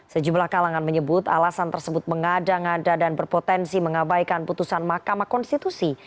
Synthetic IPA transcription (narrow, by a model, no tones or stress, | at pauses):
səd͡ʒumlahkalaŋanməɲəbʊt̪a̰lasant̪ərsəbʊt̪̚məŋadaŋadadanbərpot̪ɛnsiməŋabajkanput̪usanmahkamahkɔnst̪it̪usi